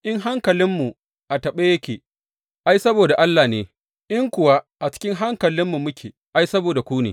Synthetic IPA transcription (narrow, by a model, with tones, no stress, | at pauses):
ʔɪ˦ŋɦa˦ŋkɐ˨lɪ˦mːu˨ | ʔa˨tɐ˨ɓe˦jɐ˦kʲeː˨ | ʔa˦jsɐ˦boː˨da˨ʔa˦lːaː˨neː˨ | ʔɪ˦ŋkʷʊ˨wa˦ʔa˨t͡ʃɪ̥˦kʲɪ˦ŋɦa˦ŋkɐ˨lɪ˦mːu˨mʊ˦kʲḛː˨ | ʔa˦jsɐ˦boː˨da˨kʷuː˦nḛː˨